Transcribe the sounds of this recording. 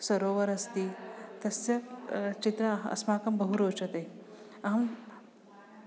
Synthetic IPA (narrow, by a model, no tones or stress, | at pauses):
sɐɾoːʋɐɾɐst̪iːt̪ɐsɐt͡ʃit̪ɾɐɐ̰smaːkɐmbɐɦuɾoːt͡ʃɐt̪eː | ɐɦɐm